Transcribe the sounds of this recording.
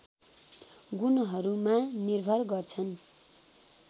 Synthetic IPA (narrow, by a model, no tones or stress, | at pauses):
ɡunoɦʌɾumanirbʱʌrɡʌrt͡sʰʌn